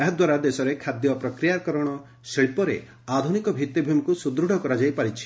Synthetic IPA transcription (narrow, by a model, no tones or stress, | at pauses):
eɦɔd̪waɾad̪esɔɾekʰad̪jɔpɾɔkɾijakɔɾɔɽ̃ɔ | seɭipɔɾḛ | ad̪ʱunikɔbʱit̪ːibʱumikusud̪ɾuɽ̤ʱɔkɔɾad͡ʒajpaɾit͡ʃʰi̥